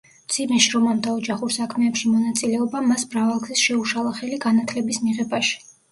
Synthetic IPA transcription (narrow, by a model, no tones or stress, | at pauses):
md̪sʰimɛʃɾɔmamd̪aɔd͡ʒaχuɾsakʰmɛɛpʃimɔnat̪sʼilɛɔbamasmɾavalˠɡzisʃɛuʃalˠaχɛliɡanat̪ʰlɛbismiʁɛbaʃi̥